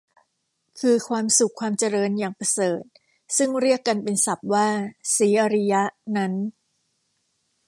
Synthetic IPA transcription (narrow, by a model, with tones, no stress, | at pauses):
kʰɯː˧kʰwaː˧msu˨˩kʰːwaː˧mt͡ɕa˧ɾɤː˧njaː˨˩ŋpɾa˧sɤː˨˩t̪̚ | sɯ˥˩ŋɾi˥˩əkːa˧npe˧nsa˨˩p̚waː˥˩siː˩˦ʔa˧ɾi˦˥ja˦˥ʔna˦˥n